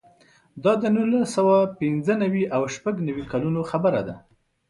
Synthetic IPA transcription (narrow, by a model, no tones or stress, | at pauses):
d̪ɑd̪ənulasawapɪnzənawiʔawʃpaɡnawikalunoxabəɾad̪a̰